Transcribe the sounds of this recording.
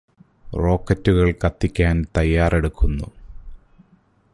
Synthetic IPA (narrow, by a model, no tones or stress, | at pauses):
ro̞ːkːɐtːuɣɐɭkɐt̪ːikʲːaːnt̪ɐjːaːre̞ɽukːunːu